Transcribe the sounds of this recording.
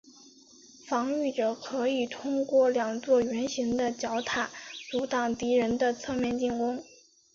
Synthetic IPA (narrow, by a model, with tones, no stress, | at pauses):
fɑ˧˥ŋy˥˩ʈ͡ʂɤ˨˩kʰɤ˧˥i˨˩t̪ʰʊ˥ŋkwɔ˥˩ljɑ˨˩ŋt͡swɔ˥˩ɥɛ˧˥nɕi˧˥ŋd̪ə˧t͡ɕjɑ˧˥ʊt̪ʰa˨˩˦t͡su˧˥t̪ɑ˨˩ŋt̪i˧˥ɻə˧˥nd̪ə˧t͡sʰɤ˥˧mjɛ˥˧nt͡ɕi˥˩ŋkʊ˥ŋ